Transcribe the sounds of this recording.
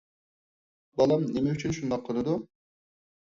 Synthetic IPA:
bɑlˠɑmnemɛyt͡ʃʰynʃund̪ɑqʰːəɾɨd̪u

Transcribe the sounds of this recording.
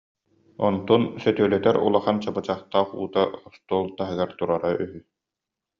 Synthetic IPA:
ɔnt̪ɔnsœt̪yœlœt̪ɛɾṵlˠaχant͡ɕabɯt͡ɕaχt̪aːχṵːt̪aχɔst̪uɔːlˠt̪aɦɯɡaɾt̪uɾaɾaʔyɦy

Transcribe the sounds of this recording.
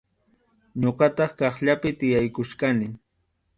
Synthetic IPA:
ɲoɢɑt̪ɑχkɑχʎapɪt̪ɪjajkʊʃkanɪ

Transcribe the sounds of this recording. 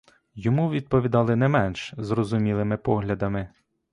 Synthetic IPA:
jɔmuʋʲid̪̚pɔʋʲid̪ɑlˠɪnɛmɛnʃzrɔzʊmʲilˠɪmɪpɔɦlʲɐd̪ɐmɪ

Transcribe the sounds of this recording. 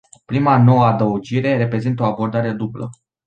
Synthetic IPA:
pɾimano̞wəad̪əud͡ʒiɾe̞ɾe̞pɾe̞zint̪əo̞abo̞rd̪aɾe̞d̪ublə

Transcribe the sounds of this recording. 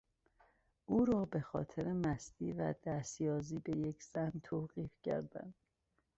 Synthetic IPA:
ʔuːɾɒːbe̞xɒ̰ːt̪ʰeɾemæsd̪̥iːvæ̰d̪̥æst̪jɒːziːbe̞je̞cʰz̥æhnt̪ʰoːɣiːfcʰæ̰ɾd̪æ̰nd̪̥

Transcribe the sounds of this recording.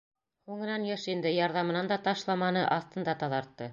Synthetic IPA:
huŋɤ̆nɑnjɤʃind̪ɘjɑɾðɑmɤ̆nɑnd̪ɑt̪ɑʃlˠɑmɑnɤʔɑθt̪ɤ̆nd̪ɑt̪ɑðɑɾt̪ːɤ

